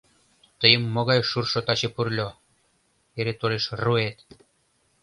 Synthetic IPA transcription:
t̪əjə̆mːŏɣɑjʃurʃot̪ɑt͡ɕepurlʲo | eɾet̪oɾeʃruet̪

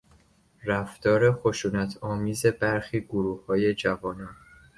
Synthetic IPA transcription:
ɾæft̪ɒːɾe̞xoʃuːnæt̪ʰɒːmiːze̞bæɾxiːɡoɾuːhːɒːje̞d͡ʒævɒːnɒːn

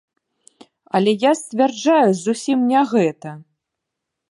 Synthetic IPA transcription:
ɐ̰lʲɛjasʲt͡sʲvʲard͡ʐajuzusʲimnʲɛɣɛt̪ɐ

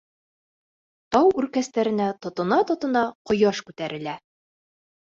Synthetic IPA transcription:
t̪ɑwʉɾkæst̪æɾɘ̆næt̪ŏt̪ŏnɑt̪ŏt̪ɤ̆nɑqŏjɑʃkʉt̪æɾʔɘ̆læ

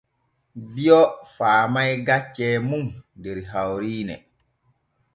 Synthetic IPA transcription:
bijɔfaːmajɡat͡ʃːɛːmumdeɾɦawɾiːnɛ̰

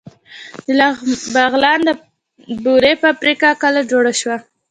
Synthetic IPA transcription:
d̪əlbaɣlɑnd̪ə | buɾepəapɾikɑkəlad͡ʒoɽaʃwa

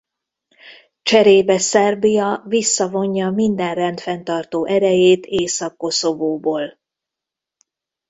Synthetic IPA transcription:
t͡ʃɛɾeːbɛsɛrbijɒvisːɒvo̞ɲːɒmind̪ɛnrɛnt̪fɛn̪t̪ɒrt̪oːʔɛɾɛjeːt̪ʰeːsɒkːo̞so̞voːboːl

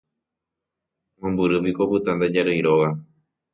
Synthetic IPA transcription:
mõmbɨɾɨpikopɨt̪ãnd̪ad͡ʒaɾɨjɾoɣa

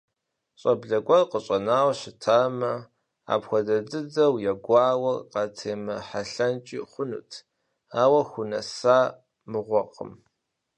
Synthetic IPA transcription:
ɕʼɐbɮɐɡʷɔrqəɕʼɐnaːwɕɪtʰaːmɐ | a̰ːpxʷɔdɐdɨd͡zɐwjɛɡʷɑːwɐrqɑtʰeːmɐħaɬɐnt͡ʃʼiːχʷʊnṵːtʰ | aːwɐxʷʊnɐ̰saː | mɨʁʷɔqʰə̰m

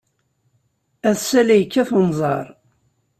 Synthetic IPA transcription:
æðsælæjəkːæθənzˤɑɾˤ

